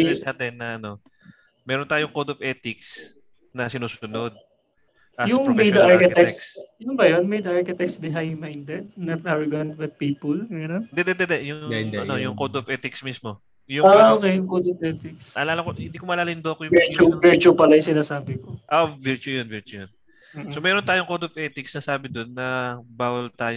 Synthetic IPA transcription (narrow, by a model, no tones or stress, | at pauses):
ɲʊsat̪ɛnːɐʔɐno̞ | mɛːɾont̪aːjoŋkod̪ovʔɛːt̪ɪks | nɐsɪnuːsʊnod̪̚ | ʔajʊŋmɐjd̪ɐʔaɹkɐt̪assɐnʊnbɐjonmɐjd̪ɐʔɐɹkɐt̪aksbɪɦamajnd̪ɛd̪̚nɐt̪̚ʔaɹoɡɐnbɐt̪̚piːpʊlmɛɾond̪ɛd̪ɛd̪ɛd̪ɛjʊɐnojʊŋkod̪ovɛːt̪ɪksmismo̞ | jʊokejʊŋkowd̪ofʔɛːt̪ɪksɐlaːlɐkohɪnd̪iːkomɐlaːlɪnd̪oʔɐkojʊɛt͡ʃuvɛɹt͡ʃupɐlɐjʊŋsɪnaːsaːbɪkoʔoviɹt͡ʃujonvɛɹt͡ʃujon | somɛːɾont̪aːjoŋkowd̪ovʔɛːt̪ɪksnɐsaːbɪd̪onːɐbaːwɐlt̪aːjo